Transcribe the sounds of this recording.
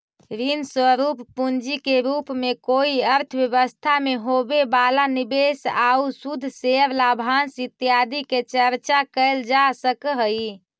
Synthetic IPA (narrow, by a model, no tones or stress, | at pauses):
ɾinswəɾupːund͡ʒikeɾupmekoiəɾt̪ʰəbjəβəst̪ʰameɦobebalanibesausud̪ʱseəɾlabʱansit̪jad̪iket͡ʃəɾt͡ʃakəɪld͡ʒasəkɦə